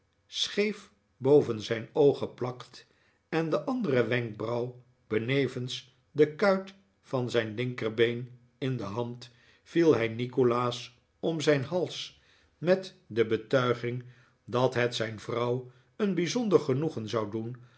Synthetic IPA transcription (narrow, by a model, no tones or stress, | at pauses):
sχejf | bowvənzɛjnowχəplɑkt | ɛndəʔɑndərəʋɛŋk̚brɑw | b̥ənejvəns | dəkœɥt | fɑnzɛjnlɪŋkərbejn | ɪndəɦɑnt | filˠɦɛjnikolaːs | ɔmzɛjnɦɑlˠs | mɛt | dəbətœɥχɪŋ | dɑtɦɛtsɛjnvrɑw | ənbizɔndəɹχənuχənzɑwdun